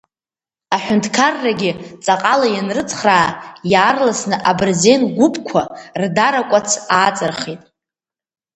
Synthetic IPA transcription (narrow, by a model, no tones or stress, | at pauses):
aħʷᶣʊntʰʼkʰarːaɡʲɪt͡sʼaqʼalajanrɨt͡sʰʼχraːjaːrlasnɨʔabɨrze̞nɡʷʊpʼkʷʰardaɾakʷʼat͡sʰaːt͡sʼɨrχitʼ